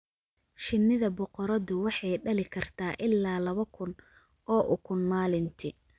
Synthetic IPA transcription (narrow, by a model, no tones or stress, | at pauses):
ʃɪnːɪðɐbʊqɔɾɐðʊwɑħɑjɖɐlɪkʰɐrt̪ʰaːʔɪlːaːlɐβɐkʰʊn | ɔːʔʊkʰʊnmaːlɪnt̪ʰɪ